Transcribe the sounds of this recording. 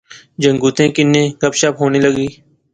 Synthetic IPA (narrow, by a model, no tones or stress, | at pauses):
d͡ʒəŋɡuːt̪ẽːkɪnːẽːkəpʃapɦoːneːləɡiː